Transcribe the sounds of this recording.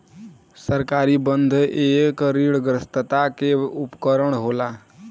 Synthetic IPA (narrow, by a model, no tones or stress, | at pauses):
səɾkaɾibənd̪ʱekɾiɽɡɾəst̪ət̪akeupkəɾəɽ̃ɦola